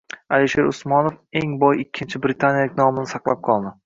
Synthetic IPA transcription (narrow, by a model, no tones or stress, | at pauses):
aliʃe̞ɾʊsmɒnofe̞ŋbɒjɪkʲʰːɪnt͡ʃʰɪbɾɪt̪ʰanjalɪk̚ʲnɒmɪnɪsɑqlˠap̚qʰɒlˠd̪ɪ